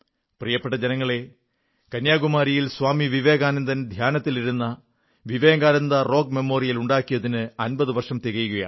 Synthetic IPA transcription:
prijɐpːeʈːɐd͡ʑenɐŋːɐɭe̞ | kɐnjaːɡumaːɾijilsʋaːmiʋiʋe̞ːɡaːnɐnd̪ɐnd̪ʱjaːnɐt̪ːiliɾunːɐ | ʋiʋeːŋɡaːɾɐnd̪ɐro̞ːɡ̚me̞mo̞ːrijɐluɳɖaːkːijɐðinɨɐnbɐðɨʋɐrʂɐmt̪iɣɐjkuja̰ː

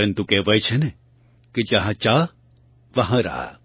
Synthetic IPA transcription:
ɾənt̪ukɛːʋɐjt͡ʃʰene | kid͡ʒɐɦãt͡ʃaː | ʋɐɦãɾa̰

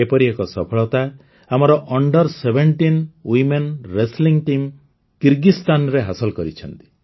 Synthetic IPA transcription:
epɔɾiekɔsɔpʰɔɭɔt̪a | amɔɾɔʔɔɳɖɔɾsebʱeɳʈinwimenɾesliŋʈim | kiɾɡist̪anɾeɦasɔlkɔɾit͡ʃʰɔnt̪i̥

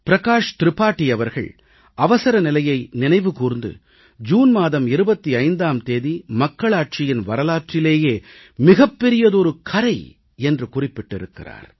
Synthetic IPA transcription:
pɪɾɐkaːʂt̪ɪɾɯpːaːʈːɪjɐʋɐɾɣɐ̰ɭ | ɐʋɐsɐɾɐnɪlɐjɐɪnɪnɐɪʋɯkuːɾnd̪ɯ̰ | d͡ʒuːnmaːðɐmɪɾɯbɐt̪ːiɐɪnd̪aːmt̪eːðimɐkːɐɭaːʈ̚t͡ʃɪjɪnʋɐɾɐlaːʈrɪleːjeː | mɪɣɐpːɛɾɪjɐðɔɾɯkʰɐɾɐɪ | ɛndrɯkʊrɪpːɪʈːɪɾɯkːɪ̰ra̰ːɾ

